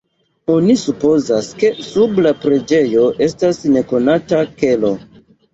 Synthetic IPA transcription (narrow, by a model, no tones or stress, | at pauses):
o̞nisupo̞zaske̞sublapɾe̞d͡ʒe̞jo̞ʔe̞stasne̞ko̞natake̞lo̞